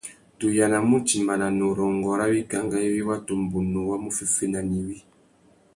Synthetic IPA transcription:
tu˨ja˨na˨mu˦ti˨ma˨na˨nɔ˨ɾɔ˨ŋɡɔ˨ɾa˦wi˦ka˨˦ŋɡa˦i˦wi˦wa˦to˨m˨bu˨no˨wa˦mu˦fe˦fe˦na˨ni˨wi˦

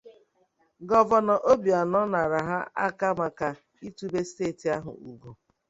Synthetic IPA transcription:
ɡɔ˨vɔ˨nɔ˨ʔo˦bi˨a˨nɔ˦na˨ɾa˨ɦa˦ʔa̰˦ka˦ma˨ka˨ | i˦tu˦be˦ste˦˨ti˨a˦ɦʊ̰˨u˨ɡu˨

